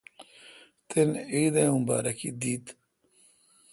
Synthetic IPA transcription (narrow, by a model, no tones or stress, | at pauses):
t̪ʰenid̪eũmba̰ːɾɐkḭd̪it̪